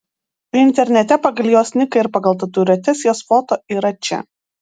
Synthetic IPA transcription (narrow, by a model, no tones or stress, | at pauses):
ɪnʲt̪ʲɛɾʲnʲɛt̪ʲɛpɐɡɐlʲˠjoːsʲnʲɪkɐɪɾpɐɡɐlˠt̪ɐt̪ʊːɾʲoːt̪ʲɛsjoːsfɔt̪oʔiːɾɐt͡ʃʲɛ̰